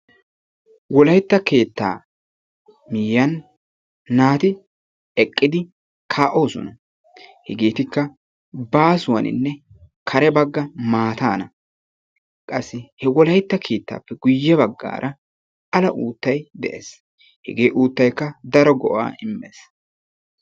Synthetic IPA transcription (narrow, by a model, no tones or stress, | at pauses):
wɔlɐjt̪ːɐke̞ːt̪ːa̰ː | mɪjːɐnː | aːt̪ɪ | ɛkʼːɪd̪ɪ | kʰaːʔo̞ːsɔ̰nɐ | hɛɡe̞ːt̪ɪkːɐ | baːsʊwɐnɪ̰nːɛ | kʰɐɾɛbɐɡːɐmaːt̪aːnɐ | kʼɐsːɪhɛwɔlɐjt̪ːɐkʰe̞ːt̪ːa̰ːpːɛɡʊjːɛbɐɡːa̰ːɾʔɐ | ɐlɐʔuːt̪ːɐjd̪ɛ̰ʔḛːs | hɛ̰ɡeːʔuːt̪ːɐjkːɐd̪ɐɾɔɡɔʔa̰ːɪmːeːs